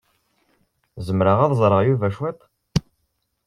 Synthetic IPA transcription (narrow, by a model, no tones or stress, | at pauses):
zəmɾəʁɑðzˤɾˤəʁjuvæʃwæp